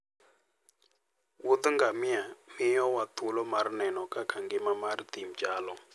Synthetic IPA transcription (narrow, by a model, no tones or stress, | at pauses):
wud̪uŋɡamiamijɔwatʰulɔmaɾinɛnɔkʼakʰaŋɡɛmamaɾit̪im̩d͡ʒaːlɔ